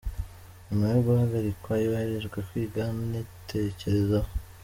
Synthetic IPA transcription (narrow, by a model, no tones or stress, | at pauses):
omueɡohaɡaɾikwajoβaheɾeʒɡwekwiːɡamneteceɾe̞za